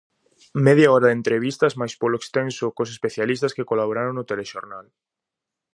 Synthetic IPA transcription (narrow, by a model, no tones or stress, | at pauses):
mɛðjaɔɾɐðent̪ɾeβist̪ɐzmajspoloekst̪ensʊkosespeθjalist̪ɐskekolaβoɾaɾoŋnʊt̪eleʃoɾnal